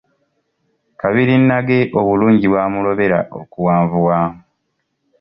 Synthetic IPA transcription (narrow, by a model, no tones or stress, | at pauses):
kaβiɾinːaɡe̞ʔoβuluːɲɟiβwaːmulo̞βe̞ɾa̰ʔo̰kuwaːɱvuwam